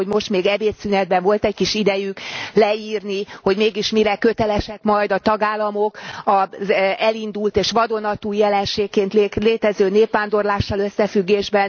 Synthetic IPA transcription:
oɟmo̞ʃt̪meːɡɛbeːt̪synɛd̪̚bɛɱvo̞lt̪ɛckiʃid̪ɛjyklɛiːrniho̞ɟmeːɡiʃmiɾɛkøt̪ɛlɛʃɛkmɒjd̪ɒt̪ɒɡaːlːɒmo̞kɒzɛlind̪ult̪eːʃʋɒd̪o̞nɒt̪uːjɛlɛnʃeːkːeːnt̪leːt̪ɛzøːneːpʋaːnd̪o̞rlaːʃːɒløsːɛfyɡːeːʒbɛn

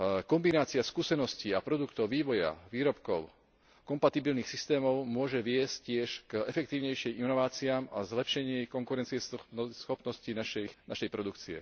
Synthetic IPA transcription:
kɔmbinaːt͡siaskuːsɛnɔsciapɾɔd̪ukt̪ɔʊʋiːʋɔja̰ʋiːɾɔpkɔʊ | kɔmpat̪ibilniːxsist̪ɛːmɔʊmʊɔʒɛʋɪɛsccɪɛʃkɛfɛk̚t̪iːʊɲɛjʃijinɔʋaːt͡siaːmazlɛpʃɛɲɪɛkɔŋkuɾɛnt͡siɛsxɔpnɔscinaʃɛnaʃɛjpɾɔd̪ukt͡siɛ̰

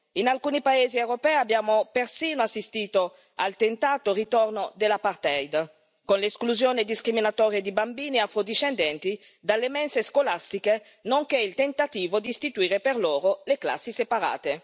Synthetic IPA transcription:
inalkuːnipaeːziɛwɾopɛːabːjaːmopersiːnoasːist̪iːt̪o | a̰lt̪ent̪aːt̪orit̪ɔrnod̪elapart̪ɛjd̪ | konleːskluzjoːned̪iskɾiminat̪ɔːɾjed̪ibambiːniafɾod̪iʃɛnd̪ɛnt̪i | d̪alːemɛnseskolast̪ike | noŋkeilt̪ent̪at̪iːvod̪iːst̪it̪uiːɾeperloːɾolekla̰sːisepaɾa̰ːt̪e

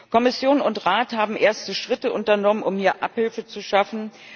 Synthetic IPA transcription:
kʰɔmɪsjoːnʊntʁaːthaːbm̩ʔeːɐstəʃʁ̥ɪtəʔʊntɐnɔmənʔʊmhiːɐʔaphɪlfət͡suʃafn̩

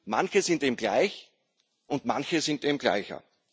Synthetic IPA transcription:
ma̰nçəzɪntiːmɡla̰ɪç | ʔʊntmançəzɪntiːmɡla̰ɪçɐ̰

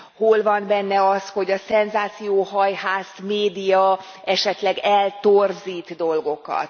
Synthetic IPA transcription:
holvɒnbɛnːɛɒsho̞ɟɒsɛnzaːt̪sijoːɦɒjɦaːsmeːd̪ijɒ | ɛʃɛt̪lɛɡɛlt̪orziːt̪d̪o̞lɡo̞kɒ̰t̪

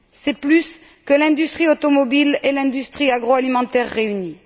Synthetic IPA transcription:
sɛplys | kəlɛ̃d̪yst̪χiot̪ɔmɔbilelɛ̃d̪yst̪χiaɡʁoalimɑ̃t̪ɛʁːeyni

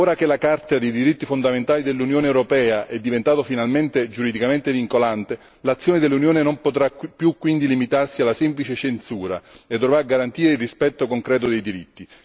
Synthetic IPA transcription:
oːɾak̟elakart̪ad̪ejd̪iɾit̪ːifond̪ament̪aːlid̪elːunjoːneːwɾopɛːaʔɛd̪ːivent̪aːt̪ofinalment̪ed͡ʒuɾid̪ikament̪eviŋkolant̪e | lat̪sːjoːned̪elːunjoːnenompot̪ɾapːjukːwind̪ilimit̪arsialːasɛmplit͡ʃet͡ʃensuːɾa̰ed̪ːovɾaɡaɾant̪iːɾeilrispɛt̪ːokoŋkɾɛːt̪od̪ejd̪iɾit̪ːi

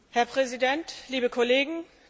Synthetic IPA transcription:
hɛɐpʁ̥ɛzidɛntliːbəkʰɔleːɡŋ̩

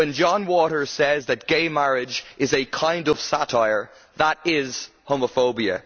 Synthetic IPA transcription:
wə̃nd͡ʒɑ̃nwɔɾə˞sɛzðət̚ɡ̥eɪmaɹɪd͡ʒɪzɨkʰãɪ̃ndʌv̥satʰaɪə˞ | ðəɾɪz̥ | hoʊməfoʊbiə̰

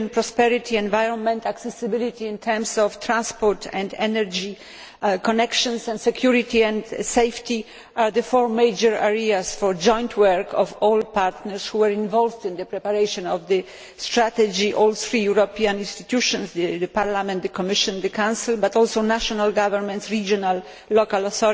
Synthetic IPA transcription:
npɾɔspɛɾit̪ʰiɛ̃nvajɾɔ̃nmɛ̃nt̪aksɛsɪbɪlit̪ĩːnt̪ʰɛɾmsɔft̪ɾãnspɔɾt̪ʰɛ̃nd̪ɛnɛɾd͡ʒi | kɔnɛkʃɔ̃nsɛ̃nt̪sɛkʰjuɾit̪iɛ̃nd̪sejft̪i | aɾd̪ɨfɔɹmejd͡ʒɛɹaɹiasfɔɹd͡ʒɔ̃j̃nt̪ʰwɛɹkʰɔvɔlpaɾt̪nɛɾsxuwɛɹĩnvɔlvd̪ĩnd̪əpɾɛpaɾejʃɔ̃nɔvd̪ə | st̪ɾat̪ɛd͡ʒiʔɔlθɾijuɾɔpiãnĩnst̪it̪juʃɔ̃nsd̪d̪paɾlamɛ̃nt̪̚d̪əkɔmɪʃɔ̃nd̪əkãw̃sɪlbat̪ɔlsownaʃɔnalɡavɛɾmɛ̃nt̪sɹid͡ʒɔnalː | ɔkalɔθɔ

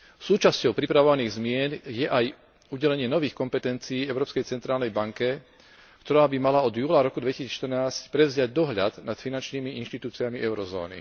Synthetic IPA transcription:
suːt͡ʃascɔʊpɾipɾaʋɔʋaniːɣzmɪɛnjɛʔaj | uɟɛlɛɲɪɛnɔʋiːxkɔmpɛt̪ɛnt͡siːɛʊɾɔːpskɛjt͡sɛnt̪ɾaːlnɛjbaŋkɛ | kt̪ɔɾaːbimalaɔd̪juːlaɾɔkud̪ʋɛcisiːʃt̪əɾnaːscpɾɛvzɪaɟ̚d̪ɔɦʎa̰d̪nat̪finant͡ʃniːmiinʃt̪it̪uːt͡siamiʔɛʊɾɔzɔ̰ːnḭ

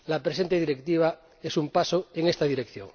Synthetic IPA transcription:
lapɾese̞nt̪eð̞iɾekt̪iβ̞a | esumpasoeŋe̞st̪aðiɾekθjo̰ŋ

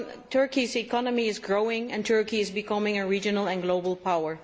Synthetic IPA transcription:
tʰɜ˞kisikʰɑnəmiɪzɡɹoʊɪ̃ŋɨ̃ntʰɜ˞kiɪzbɨkʰʌmɪ̃ŋɨɹid͡ʒɨnlˠə̃nɡloʊbl̩ˠpʰawə˞

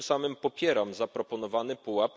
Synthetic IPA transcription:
samɘmpɔpʲjɛɾamzapɾɔpɔn̪ɔvanɘpuwap

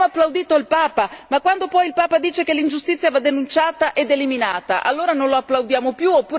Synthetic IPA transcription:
oapːlawd̪iːt̪oilpaːpamakːwand̪opɔjilpaːpad̪iːt͡ʃekelːind͡ʒust̪it̪sːjavad̪ːenunt͡ʃaːt̪aʔed̪ːeliminaːt̪a̰ʔa̰lːoːɾanonloapːlawd̪jaːmopjuopːuːɾ

